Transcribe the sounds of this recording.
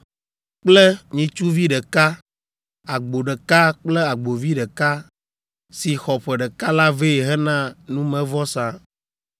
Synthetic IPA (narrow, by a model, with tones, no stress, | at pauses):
k͡plɛ˦ɲĩ˨t͡ʃu˦vi˦ɖɛ˨ka˦ | a˨ɡ͡bo˨ɖɛ˨ka˦k͡ple˦a˨ɡ͡bo˨vi˦ɖɛ˨ka˦ | si˨xɔ˨ɸɛ˨ɖɛ˨ka˦la˦ve˦˨ɦɛ˦nã˦nũ˦mɛ̃˨vɔ˦sã˦